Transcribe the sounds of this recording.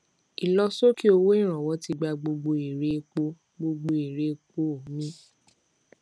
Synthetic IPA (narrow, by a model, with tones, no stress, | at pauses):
i˨lɔ˧so˦ki˦o˧wo˦ĩ˦˨ɾ̃ã˨wɔ˨˦ti˧ɡ͡ba˧ɡ͡bo˧ɡ͡bo˧i˨ɾe˨˦˧k͡po˧˦ | ɡ͡bo˧ɡ͡bo˧i˨ɾe˨˦˧k͡po˧˦o˨˦mĩ˦